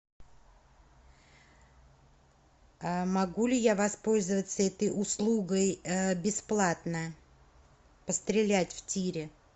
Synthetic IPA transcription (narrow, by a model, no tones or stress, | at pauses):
mɐɡulʲɪjavɐspo̞lʲzəvət̪səɛt̪əjʊslˠuɡəjbʲɪsplˠat̪nə | pəst̪ɾʲɪlʲætʲftʲiɾʲɪ